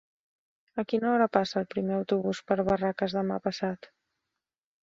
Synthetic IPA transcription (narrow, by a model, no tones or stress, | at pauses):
əkinəɔɾəpasəːlˠpɾimeəwt̪uβuspəɾβərakəzðəma̰pəsat̪